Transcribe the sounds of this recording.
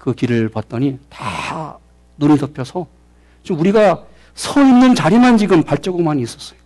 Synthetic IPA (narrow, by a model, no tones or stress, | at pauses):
kɯkiɾɯɭpwat̚t͈ʌɲita | nunitʌpʰjʌsʰʌ | t͡ɕmuɾiɡa | sʰʌinːɯnt͡ɕaɾimant͡ɕiɡɯmpaɭt͡ɕ͈ʌɡɯmaniːs͈ʌs͈ʌjo